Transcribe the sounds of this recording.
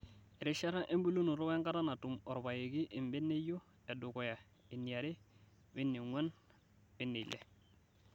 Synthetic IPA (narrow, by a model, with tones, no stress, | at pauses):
e˨ɾi˦ʃa˦ɾa˦ʔe˦mbu˦lu˦nu˨ɾo˦we˦ŋka˦ɾa˦na˨tu˨mɔ˨ɾba˨je˨ɡi˦ʔi˨mbi˦nːe˦jo˦ | e˨du˨ko˨ja˨ | i˨nːi˨a˨ɾi˦ | wi˦nːi˨ŋwa˦n | wi˦nːi˨lḛ˨